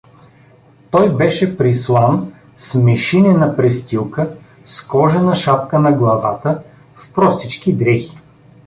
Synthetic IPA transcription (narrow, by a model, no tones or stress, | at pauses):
t̪ɔjbɛʃɛpɾislˠan | smɛʃinɛnɐpɾɛst̪ilˠkə | skɔʒɛnɐʃap̚kənɐɡlˠɐva̰t̪ə | fpɾɔst̪it͡ʃkid̪ɾɛxi̥